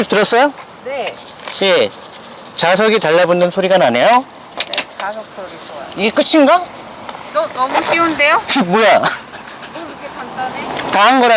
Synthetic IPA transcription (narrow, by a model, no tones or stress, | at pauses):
etɯɾʌs͈ʌjo | ne | je | t͡ɕas̬ʰʌɡitaɭːabonːɯnsʰoɾiɡanane̞jo | asʌ | iɡe̞k͈ɯt͡ɕʰinɡa | nʌmuɕʰionde̞jomoja | kʰeandanetaanɡʌɾa